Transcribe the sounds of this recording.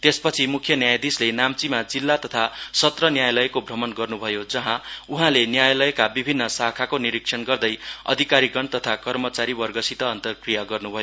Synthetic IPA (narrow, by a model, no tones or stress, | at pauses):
t̪espʌt͡sʰimukʰjʌnjajd̪islenamt͡simad͡zilːat̪ʌt̪ʰasʌt̪rʌnjajlʌekobʱrʌmʌnɡʌrnubʱʌjod͡zʌɦãuɦãlenjajlʌekabibʱinːʌsakʰakoniɾiksʰʌnɡʌrd̪ʌjʌ̰d̪ʱikaɾiɡʌnt̪ʌt̪ʰakʌrmʌt͡saɾibʌrɡʌsit̪ʌːnt̪ʌrkrijaɡʌrnubʱʌjo